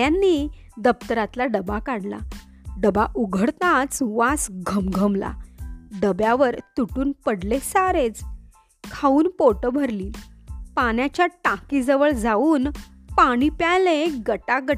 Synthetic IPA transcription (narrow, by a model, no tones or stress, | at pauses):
anːiː | d̪əpt̪əɾat̪laɖəbakaɽla̰ | ɖəbaʔuɡʱəɽt̪at͡sʋasɡʱəmɡʱəmla̰ɖəbjaʋəɾt̪uʈuːnpəɽlesaɾet͡s | kʰauːnpoʈəbʱəɾliːnpaɳjat͡ɕjaʈãkid͡zəʋəɭd͡zauːnpaɽ̃ipjaleɡəʈaɡə